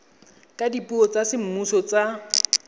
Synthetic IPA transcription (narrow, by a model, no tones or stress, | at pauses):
kʼadipʼuɔt͡sasɪm̩musɔt͡sa